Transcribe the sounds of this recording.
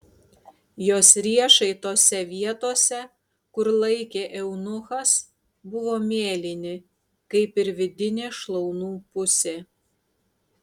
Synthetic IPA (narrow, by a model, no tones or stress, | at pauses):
joːsɾʲiɛʃɐɪt̪oːsʲɛʋʲiɛt̪oːsʲɛ | kʊɾlˠɐɪkʲeːʔɛʊnʊxɐs | bʊʋoːmʲeːlʲɪnʲɪ | kɐɪpɪɾʋʲɪd̪ʲɪnʲeːʃlˠɔʊnuːpʊsʲeː